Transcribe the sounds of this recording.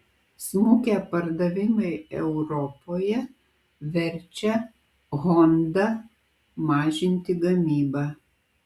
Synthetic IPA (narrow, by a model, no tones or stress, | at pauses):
smuːkʲæːpɐɾd̪ɐʋʲɪmɐɪɛ̰ʊɾɔpoːjɛ | ʋʲɛɾʲt͡ʃʲɛ | ɣɔnd̪ɐ | mɑːʒʲɪnʲt̪ʲɪɡɐmʲiːbɑː